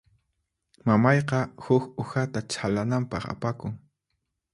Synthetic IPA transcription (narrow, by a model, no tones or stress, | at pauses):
mamɑjqɑhʊkʊxat̪at͡ʃʰalanampɑχa̰pakʊŋ